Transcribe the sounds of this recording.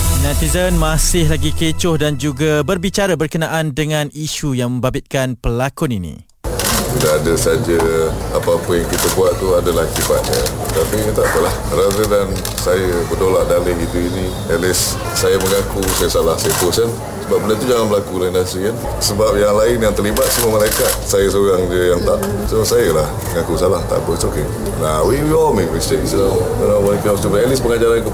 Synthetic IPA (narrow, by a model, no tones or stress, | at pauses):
nãt̪izənmasɪhlaɡikət͡ʃʊhdand͡ʒuɡabərbit͡ʃaɾabərkənaʔandəŋãniʃujaŋmə̃mbabɪt̪̚kanpəlakʊninḭ̃ | tidaːdəsad͡ʒəapaapəjaŋkit̪əkuaʔt̪uadəlaht͡ʃipaʔ̪̚ɲə̃ət̪apiit̪aʔpəlahɾaɾədan | sajəbədolaʔdaləɦit̪uini | ɛlɪsː | ajəməŋakusajəsalahsajəpəsan | səbap̚bəlat̪ud͡ʒaŋanbəlakulainasɾikan | səbap̚jaŋlaɪnjaŋt̪ərlibat̪̚səmuəməɾekasajəs̬uɣaŋdiəjaŋt̪aʔ | sosajəlahməŋakusalaht̪a̰ʔpəsoke | nawijɔmiist̪eksla | ənabanikəust̪ibɛlɪspəŋad͡ʒaɾanku